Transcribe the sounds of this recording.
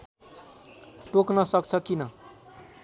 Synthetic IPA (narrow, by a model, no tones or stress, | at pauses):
ʈoknʌsʌkt͡sʰʌkinʌ